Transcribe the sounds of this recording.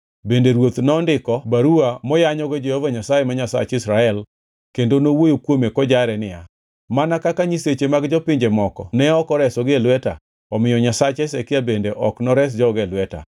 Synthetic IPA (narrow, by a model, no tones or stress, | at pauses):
bendeɾwot̪nɔndɪkɔbaɾuamɔjaɲɔɡed͡ʒehovaɲasajemaɲasa̰t͡ʃɪsɾaɛl | kendonowojokwomekɔd͡ʒaɾɛnɪja | manakakaɲiset͡ʃemaɡd͡ʒɔpɪɲd͡ʒemɔkɔnɛɔkɔɾɛsɔɡɪlwɛta | ɔmɪjɔɲasat͡ʃɛsekɪabendeʔɔknɔɾɛs̬d͡ʒɔɡelwɛta̰